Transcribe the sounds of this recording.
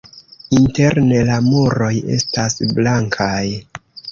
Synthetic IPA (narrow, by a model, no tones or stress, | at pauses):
inte̞ɾne̞lamoɾo̞je̞̰stasblaŋkʰaj